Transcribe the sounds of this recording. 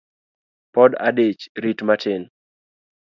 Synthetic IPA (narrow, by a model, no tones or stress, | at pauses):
pɔda̰det͡ʃɾitmatʰɪn